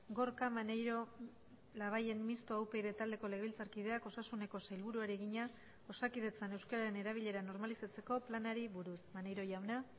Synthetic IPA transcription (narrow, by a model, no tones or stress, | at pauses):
ɡo̞ɾkamanejɾo̞ | laβ̞aje̞mmist̪oawpe̞jðe̞t̪ald̪e̞ko̞le̞ɣe̞βilt͡saɾkið̞e̞ako̞sasune̞ko̞sajlβuɾuaɾieɣiɲa | o̞sakið̞e̞t͡sane̞wskaɾaɾe̞ne̞ɾaβ̞iʎe̞ɾano̞ɾmalisat͡se̞ko̞planaɾiβuɾusmanejɾo̞jawna